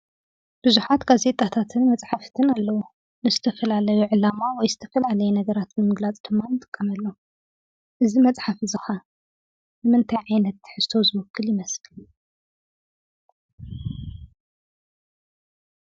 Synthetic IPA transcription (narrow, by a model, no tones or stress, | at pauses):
b̥ɨzuħat̪ɡaze̞t̪ʼat̪ʰat̪ʰɨnmɐt͡sʼħaft̪ʰɨnalːɐwu | nɨzɨt̪ʰɐfɐlalɐjuʕɨlamawɔjzɨt̪ʰɐ̥fɐlalɐjɛnɐɡɐɾat̪mɨmɨɡlat͡sʼd̪ɨmːanɨt̪ʼɨkʼːɐmɐlːo | ʔɨzimɐt͡sʼħafizɨxa | nɨmɨnt̪ʰajʕajnɐt̪ħɨz̥t̪ʰozɨβɐkʰːɨljɪmɐsl